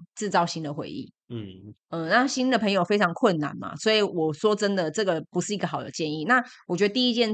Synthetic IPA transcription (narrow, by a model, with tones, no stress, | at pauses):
t͡sɻ̩˥˩t͡sɑ˥˧ʊɕi˦nd̪ə˨xwḛ˧˦ɪʔḭ˥˩ | ə˥˧na˥˩ɕi˥nd̪ə˨pʰə˧˥ŋjo˨ʊfe˥ɪʈ͡ʂʰɑ˧˥ŋkʰwə˥˨nːa̰˨˦nmɐ̰˨swɔ˧˥i˨˩wɔ˨˩ʂwɔ˦˥ʈ͡ʂə˦˥nd̪ə˨ʈ͡ʂɤ˥˩ɡə˨pu˧˥ʂɻ̩˥˩i˧˥ɡə˧˩˨ɑ˨˩ʊjo̰˨˩ʊt͡ɕjɛ˥˧ni˥˨na˥˨wɔ˨t͡ɕɥɛ˧˥d̪ə˧t̪̬i˥˧i˥t͡ɕjɛ˥˧n